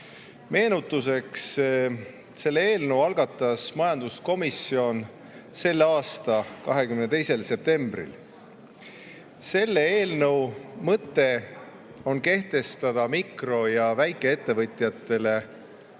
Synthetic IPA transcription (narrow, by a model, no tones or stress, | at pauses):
me̞ːnut̪ːˑuse̞ks | se̞lːeeːlnəwɑlɡ̥ɑt̪ːˑɑsmɑjɑnd̪̥usko̞misio̞n | se̞lːeɑːst̪ɑkɑɦe̞kymnet̪e̞jse̞lse̞p̚t̪e̞mb̥rḭl | se̞lːeeːlnəwmɤt̪ːˑe̞ | o̞nke̞ht̪e̞st̪ɑd̪̥ɑmikro̞jɑvæjkːˑe̞e̞t̪ːe̞vɤt̪ʲjɑt̪ːˑe̞le̞